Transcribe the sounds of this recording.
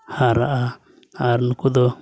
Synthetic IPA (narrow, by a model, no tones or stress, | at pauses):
haɾaʔa | aɾnukud̪ɔ